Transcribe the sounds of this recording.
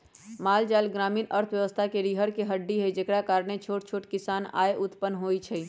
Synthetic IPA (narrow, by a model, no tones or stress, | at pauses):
maːld͡ʒaːlɡɾaːmiːnəɾt̪ʰʋjəʋəst̪ʰakeɾiːɦəɾkeɦəɖːiɦəjd͡ʒekɽakaːɾɳet͡ʃʰoːʈt͡ʃʰoːʈkɪsaːna̰ːeʔʊt̪pənːɦoːjt͡ʃʰɛ